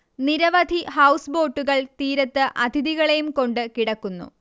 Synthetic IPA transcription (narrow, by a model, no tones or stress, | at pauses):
niɾɐʋɐd̪ʱihɐwsbo̞ːʈːuɣɐɭt̪iːɾɐt̪ːɨʔɐd̪ʱiðiɣɐɭe̞jumko̞ɳɖɨkiɽɐkːunːṵ